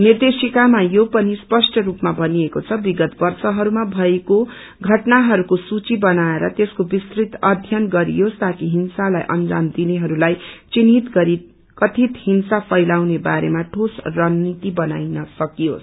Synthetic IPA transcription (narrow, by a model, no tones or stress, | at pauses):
nird̪esikamajopʌnispʌsʈʰʌɾupmabʱʌniekot͡sʰʌbiɡʌt̪bʌrsʌɦʌɾumabʱʌeko | ɡʱʌʈnaɦʌɾukosut͡sibʌnaeɾʌ̰t̪eskobist̪rit̪ʌd̪ʱjʌnɡʌɾḭjost̪akiɦinsala̰jʔʌ̰nd͡zamd̪ineɦʌɾulajt͡sinit̪ɡʌɾi | kʌt̪ʰit̪hinsapʰʌjlawnebaɾemaʈʰosrʌnːit̪ibʌna̰jnʌsʌkijo̰s